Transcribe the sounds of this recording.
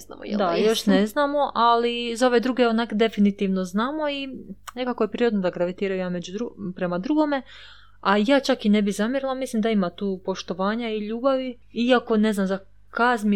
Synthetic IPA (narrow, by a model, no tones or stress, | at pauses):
na̰mo̰d̰d̪ajo̞ʃneznaːmo̞ʔalizao̞ʋe̞d̪ɾuɡeonakd̪e̞finit̪iːʋno̞znaːmo̞ine̞kakojepɾiod̪nod̪aɡɾaʋit̪iːɾajojaːme̞d͡ʑud̪ɾupɾe̞mad̪ɾuɡome̞ | ajaːt͡ʃakine̞bizamiɾlˠamislimd̪aimat̪uːpo̞ʃt̪o̞ʋaːɲaiʎuːbaʋi | iako̞ne̞znamza | kazmi